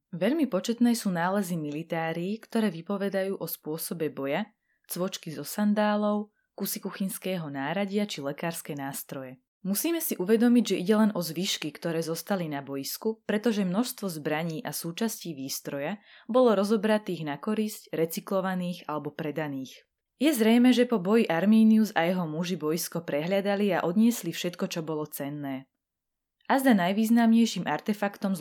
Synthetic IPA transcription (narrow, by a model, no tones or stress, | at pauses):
ʋɛʎmipɔt͡ʃɛt̪nɛːsuːnaːlɛzimilit̪aːɾiːkt̪ɔɾɛːʋipɔʋɛd̪ajuːʔɔspʊɔsɔbɛbɔja | t͡sʋɔt͡ʃkizɔsand̪aːlɔʊ | kusikuxinskɛːɦɔnaːɾaɟɪat͡ʃilɛkaːɾskɛːnaːst̪ɾɔjɛ | musiːmɛsiʔuʋɛd̪ɔmiɟʒɛʔiɟɛlɛnʔɔzʋiːʃkikt̪ɔɾɛːzɔst̪alinabɔjiskupɾɛt̪ɔʒɛmnɔʃst̪ʋɔzbɾaɲiːʔasuːt͡ʃasciːʋiːst̪ɾɔja | bɔlɔɾɔzɔbɾat̪iːɣnakɔɾiscɾɛt͡siklɔʋaniːxalɛbɔpɾɛd̪aniːx | jɛzɾɛjmɛʒɛpɔbɔjiʔaɾmiːniuza̰jɛɦɔmuʒibɔjiskɔpɾɛɦʎad̪aliaʔɔd̪ɲɪɛslifʃɛt̪kɔt͡ʃɔbɔlɔt͡sɛnːɛː | azd̪anajʋiːznamɲɛjʃimʔaɾt̪ɛfakt̪ɔm